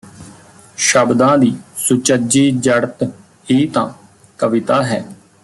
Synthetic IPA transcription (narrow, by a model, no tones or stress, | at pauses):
ʃəbd̪ãːd̪iːsʊt͡ʃəd͡ʒiːd͡ʒəɽt̪ | iːt̪ã̰ː | kəʋɪt̪aːɦɛː